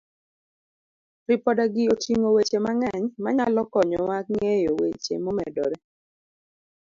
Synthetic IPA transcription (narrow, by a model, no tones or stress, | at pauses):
ɾipɔdaɡɪotiŋowet͡ʃemaŋɛɲmaɲalɔkɔɲɔwak̚ŋejowḛt͡ʃḛmomɛ̰dɔ̰ɾɛ